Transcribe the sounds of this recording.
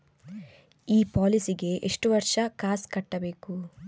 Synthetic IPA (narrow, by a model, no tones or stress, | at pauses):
iːpaːlisiɡe̞ʔeʂʈuʋɐɾʂɐkaːskɐʈːɐbe̞ːku